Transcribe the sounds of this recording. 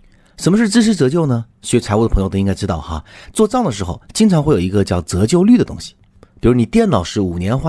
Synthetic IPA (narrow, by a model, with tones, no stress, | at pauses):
ʂə˧˥nmə˧ʂɻ̩˥˩t͡s̩˥ʂ̬ɻ̩˥t͡sɤ˧˥t͡ɕjo˥˩ʊnə˩ | ɕɛ˧˥t͡sʰa˧˥ɪu˥˩d̪əpʰŋj̪o˥˧i˧˥ŋka˥˧ɪʈ͡ʂɻ̩˥t̪ɑ˥˩ʊxa̰˧˩t͡swɔ˥˧t͡sɑ˥˩ŋd̪ə˩ʂ̬ɻ̩˧˥xo̰˧ʊt͡ɕi˥ŋʈ͡ʂʰɑ˧˥ŋxwe˥˩ɪjo˨˩˧i˧˥ɡə˧t͡ɕjɑ˥˩ʊt͡sɤ˧˥t͡ɕjo˥˧ʊly˥˩d̪ə˩t̪ʊ̰˥ŋɕi̥˨ | pi˨˩ɻu˧˥˩ni˨˩t̪jɛ˥˩nnɑ˨˩ʊʂɻ̩˥˩u˨˩njɛ˧˥nxwa˥˩